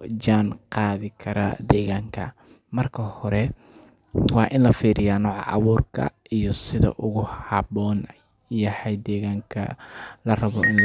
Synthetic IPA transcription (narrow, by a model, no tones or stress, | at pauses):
d͡ʒaːnqɑːðɪkʰɐɾɐ̰d̪ɛːɣaːŋkʰɐ̰ | mɐrkʰɐhɔɾɛ | wɑːʔɪnlɐfiːɾɪjaːnɔːʕɑ̰ʔɑ̰βuːrkʰɐ̰ijɔsɪðɐ̰ʔʊɣʊhɑβɔːn | jɐhɛjd̪ɛːɣaːŋkʰɐ̰lɐrɐβɔʔɪnl